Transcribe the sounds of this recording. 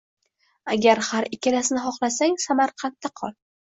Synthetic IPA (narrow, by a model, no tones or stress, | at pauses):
aɡʲaɾhaɾɪkʲʰːalasɪnɪɦɒχlasaŋsamaɾqʰant̪ʰːaqʰɒlˠ